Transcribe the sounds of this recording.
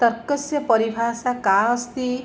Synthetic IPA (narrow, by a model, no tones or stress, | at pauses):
t̪ɔɾkɔsjɔpɔɾibʱasakaɔst̪i